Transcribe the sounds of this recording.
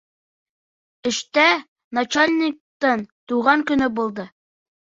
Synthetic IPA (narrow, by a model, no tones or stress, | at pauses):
ɘ̆ʃt̪æ | nɐt͡ɕalʲnʲɪk̚t̪ɤnt̪uʁɑŋkɵ̆nɵbulˠd̪ɤ